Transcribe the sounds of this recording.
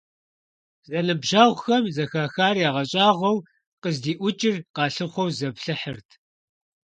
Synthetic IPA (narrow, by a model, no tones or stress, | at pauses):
zɐnɨbʒaːʁʷʊxɐmzɐxaːxaːrjaːʁɐɕʼaːʁʷɔw | qəzdiːʔʷʊt͡ʃʼɪrqɑːɬɨχʷɔwzɐpɬɨħərtʰ